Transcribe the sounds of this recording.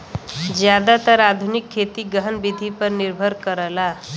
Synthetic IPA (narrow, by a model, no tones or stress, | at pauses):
d͡ʒjad̪at̪əɾad̪ʱunikʰːet̪iɡəɦənbid̪ʱipəɾniɾbʱəɾkəɾəla